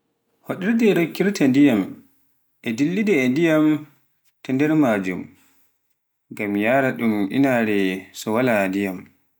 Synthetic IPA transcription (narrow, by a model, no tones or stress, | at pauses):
hoɗiɾdɛɾokːiɾtandijam | ʔɛdilːidɛːndijam | tɛndɛɾmaːd͡ʒum | ŋɡamjaːɾaɗumʔḭnaːɾɛsɔwalandijam